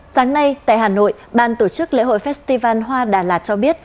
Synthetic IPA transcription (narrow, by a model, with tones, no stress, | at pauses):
saː˨˦ŋna˧jt̪a̰ː˧˨jɦaː˨˩no̰˧˨jɓaː˧˨nt̪o˧˩t͡ɕɨ˦˥k̚lḛ˧˥ho̰˧˨jfɛ˦˥t̚st̪i˧vaː˧nɦwaː˧ɗaː˨˩laː˨˩t̚t͡ɕɔ˧ɓi˦˥ət̚